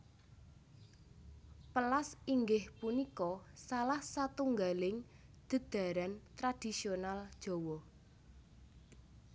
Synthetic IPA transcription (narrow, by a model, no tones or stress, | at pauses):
pəlasiŋɡɪhpunikɔsalahsat̪uŋɡalɪŋ | d̪̥ə̤d̪̥a̤ɾant̪ɾad̥i̤sionald̥ʒ̥ɔ̤wɔ